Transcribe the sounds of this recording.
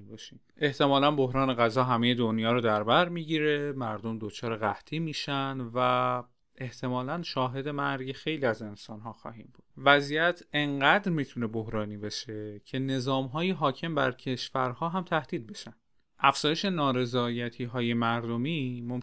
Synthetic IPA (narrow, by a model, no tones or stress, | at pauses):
bɒːʃimʔe̞ht̪ʰe̞mɒːlænbo̞ɦɾɒːne̞ɣæzɒːɦæmeje̞d̪onjɒːɾod̪æɾbæɾmiːɟiːɾemæɾd̪o̞md̪ot͡ʃʰɒːɾeɣæht̪ʰiːmiːʃænd̪væ | ʔe̞ht̪ʰe̞mɒːlænʃɒːɦe̞d̪e̞mæɾɟexe̞jliːæze̞nsɒːnɦɒːxɒ̰ːɦiːmbud̥̪væzijæt̪ʰe̞ŋɢæd̪ɾmiːt̪ʰune̞bohɾɒːniːbeʃe̞cʰe̞ne̞zɒːmɦɒːjeɦɒːcʰe̞mbæ̰ɾcʰe̞ʃfæɾhɒːɦæmt̪ʰæhd̪̥iːd̪̚be̞ʃænd̪ | ʔæfz̥ɒːjeʃe̞nɒːɾe̞zɒːjæt̪ʰiːɦɒːje̞mæɾd̪omiːmom